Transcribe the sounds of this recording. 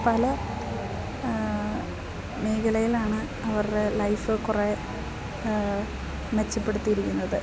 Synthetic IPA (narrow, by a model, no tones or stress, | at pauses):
pɐlɐ | meːkɐlɐjilaːɳɨ | ɐʋɐrɽelɐjfɨkure | met͡ɕːɐpːe̞ɽut̪ːijiɾikʲːunːɐðɨ